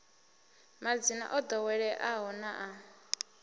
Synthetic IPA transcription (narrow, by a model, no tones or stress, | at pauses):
mad͡zina̰ʔɔd̪ɔwɛɺɛʔaɦɔnaʔa